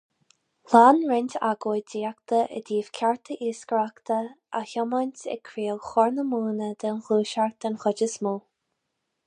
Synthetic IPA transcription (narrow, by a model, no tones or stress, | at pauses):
laːnɹɪnʲt̪a̰ɡojdiːakt̪əʔə̰diːv̥kʲʰaɹt̪ʰəʔiːskəɹakt̪ʰə | açɔmanʲt̪ɛ̰kʰɾiːəlˠxɔɹnəmuːnəd̪ənxluːʃaɹ̚d̪̥ənxɔd͡ʒəsmuː